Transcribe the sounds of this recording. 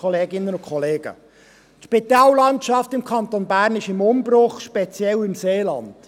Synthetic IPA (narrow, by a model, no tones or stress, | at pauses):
ɔleːɡɪnːənʊkʰχɔleːɡ̥ə̰ | tʃpit̪ɑːllɑntʃɑftɪmkʰɑnt̪onbæːɾnɪʃɪmʊmbrʊχʃpɛt͡sjɛlɪmseːlɑ̰nd̥